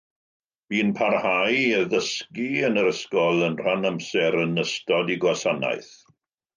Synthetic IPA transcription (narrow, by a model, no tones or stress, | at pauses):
b̥iːnpʰarhajəðəskiənəɾəskɔlˠənr̥anəmsɛɾənəstɔdiɡwasana̰jθ